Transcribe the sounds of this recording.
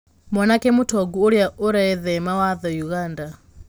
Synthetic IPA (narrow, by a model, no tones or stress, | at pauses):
mwɔnakɛmutʰɔɡuːɺjaʔuɾɛðɛmawaðɔjuɣaːnda